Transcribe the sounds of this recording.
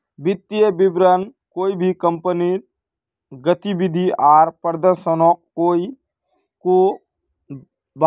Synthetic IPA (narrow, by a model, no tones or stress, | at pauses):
bɪt̪ːijebɪbɾənkoːibʱikəmpəniɾ | ɡət̪ibɪd̪ʱiaːɾpəɾd̪əɾʃənoːkkːoːi | ko | ba